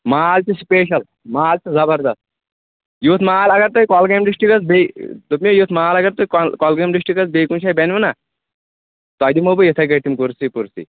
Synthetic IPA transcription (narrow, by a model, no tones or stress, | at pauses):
maːlt͡ʃispeːʃ̬ɐl | maːlt͡ʃizɐbɐɾd̪ɐst̪̚ | juːt̪ʰmaːlɐɡɐɾt̪oikɔːlɡeːmɖisʈikɐsbed̪upmʲiojuːt̪ʰmaːlɐɡɐɾt̪oiklkɔlɡemɖiʂʈikɐsbejkunʃʰaːjbenʋɐna | t̪oɐd̪imobɨjet̪ʰɐkɐʈ̪imkuɾsipuɾsḭ